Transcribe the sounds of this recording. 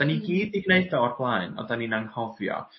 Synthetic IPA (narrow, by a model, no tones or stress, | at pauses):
d̥aniɡiːdɪɡneɨdɔɔrblˠaɨnɔ̰daninanhɔvjɔ̰